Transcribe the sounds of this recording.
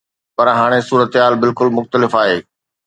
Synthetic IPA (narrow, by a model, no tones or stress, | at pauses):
pɐɾɦaːɽ̃esuːɾət̪ɦaːlbɪlkʊlmʊxt̪əlɪfaːɦeː